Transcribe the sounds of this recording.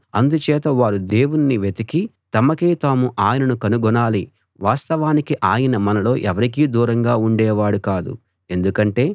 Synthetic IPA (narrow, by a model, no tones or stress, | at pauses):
ɐnd̪ut͡ʃɛːt̪ɐʋaːɾud̪e̞ːwuniniʋet̪ɐkit̪ɐmɐkeːt̪aːmuʔaːjɐnɐnukɐnuɡɔnaːli | ʋaːst̪ɐʋaːnikiʔaːjɐnɐmɐnɐlo̞ːʔɛʋɐɾikiːd̪uːɾɐŋɡaːuɳɖɛːʋaːɽukaːd̪ṵ | e̞nd̪ukɐɳʈe̞ː